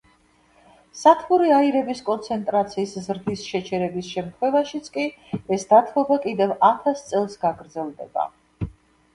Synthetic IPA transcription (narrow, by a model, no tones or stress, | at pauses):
sat̪ʰχuɾiaiɾɛbiskʼɔnt̪sʰɛnt̪ʼɾat̪sʰiːszɾd̪isʃɛt͡ʃʰɛɾɛbisʃɛmt̪ʰχwɛvaʃit̪sʰkʼiɛsd̪at̪ʰɔbakʼid̪ɛvat̪ʰast̪sʼɛlˠsɡaɡɾd̪zɛlˠd̪ɛ̰ba̰